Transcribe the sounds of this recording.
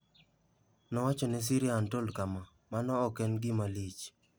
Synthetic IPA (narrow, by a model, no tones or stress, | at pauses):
nɔwat͡ʃɔnɛs̬iɾjantolkama | manɔːkɛnɡɪmalit͡ʃ